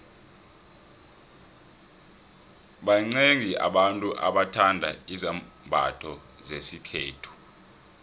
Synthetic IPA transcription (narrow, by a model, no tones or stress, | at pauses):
ɓaŋ͡ǀeŋia̰ɓantʼuʔa̰ɓatʰandʱa̰izam | bʱa̰tʰɔ | zesikʰeːtʰu̥